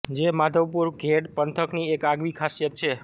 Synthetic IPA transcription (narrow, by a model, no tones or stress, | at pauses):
d͡ʒemad̪ʱəʋpuɾɡʱeɖpənt̪ʰəkniekaɡʋikʰasjət̪̚t͡ʃʰe